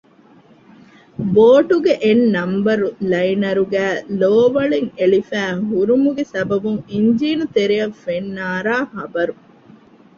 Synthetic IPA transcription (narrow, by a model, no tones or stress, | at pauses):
boːʈuɡeʔenːɐmbɐɾulɐjinɐɾuɡæːloːʋɐɭiŋeɭifæːɦuɾumuɡesɐbɐbuŋiɲd͡ʒiːnut̪eɾijɐfenːaːɾaːhɐbɐɾu